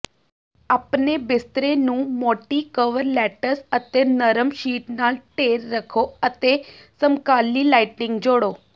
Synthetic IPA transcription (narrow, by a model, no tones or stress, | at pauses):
aːpneːbɪst̪ɾeːnũːmoːʈiːkəʋəɾlɛːʈəɾsət̪eːnəɾəmʃiːʈnaːlʈeːɾːəkʰoːət̪eːsəmkaːliːlaːɪʈnɪ̃ŋɡd͡ʒoːɽoː